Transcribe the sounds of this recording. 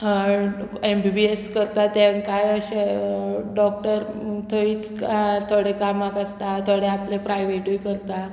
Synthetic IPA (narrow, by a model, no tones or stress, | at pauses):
embibieskəɾt̪at̪aŋkajəɕe | ɖɔk̚ʈəɾt̪ʰoit͡skat̪ʰoɽekamakəst̪at̪ʰoɽeaplepɾajʋeʈujkəɾt̪a